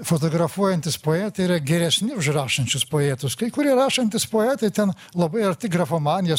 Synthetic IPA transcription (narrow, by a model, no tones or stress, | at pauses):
fot̪oːɡɾɐfuɔjɛnt̪ʲɪspoːɛːt̪ɐɪiɾɐɡʲɛɾʲɛsʲnʲɪʊʃrɑːʃɐnʲt͡ʃʲʊspoːɛːt̪ʊskɐɪkʊɾʲiɛɾɑːʃɐnʲt̪ʲɪspoːɛːt̪ɐɪt̪ʲɛn | lˠɐbɐɪɐrt̪ʲɪɡrɐfoːmɑːnʲɪjɛ